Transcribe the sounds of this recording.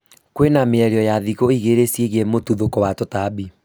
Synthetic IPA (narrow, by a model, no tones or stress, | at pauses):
kwenameɛɾeɔjaðiɣoiɣeɾesieɣemotuðokɔwatɔtabi